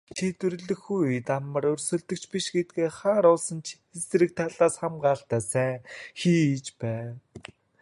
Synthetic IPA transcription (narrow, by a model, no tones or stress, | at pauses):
t̪ʰet̪wɵ̆ɾɵ̆ɮɵ̆xujit̪amə̆ɾɵrsɵ̆ɮt̪ɵ̆kt͡ɕpiʃɡet̪̚ɡeːχaːɾʊːsə̆nt͡ɕʰ | es̆ɾɘ̆k̚t̪ʰaɮaːsχamɢaːɬt̪æːsæːŋxiːit͡ɕpæː